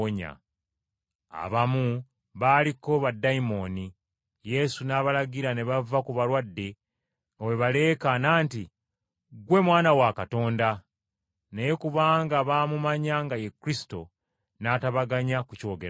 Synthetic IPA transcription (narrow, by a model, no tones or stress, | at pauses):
ɲa̰ | a̰βamu | βaliko̞βadːaimo̞ːni | je̞sunaːβalaɡiɾane̞βavːakuβaɾwadːe̞ | oweβale̞ːkanaːnti | ɡwe̞mwaːnawakato̞ːnda | nejekuβaːŋɡaβaːmumaɲaŋɡajekːɾisi̥to̞ | naːtaβaɡaɲakuco̞ːɡeɾ